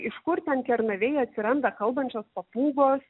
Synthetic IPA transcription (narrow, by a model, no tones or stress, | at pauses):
ɪʃkʊɾt̪ʲɛnkʲɛɾnɐʋʲɛɪɐt̪ʲsʲɪɾɐnd̪ɐkɐlˠbɐnʲt͡ʃʲoːspɐpuːɡoːs